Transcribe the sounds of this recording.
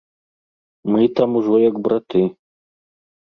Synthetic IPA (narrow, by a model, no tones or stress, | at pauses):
mɨt̪amuʐɔjɐkbɾɐt̪ɨ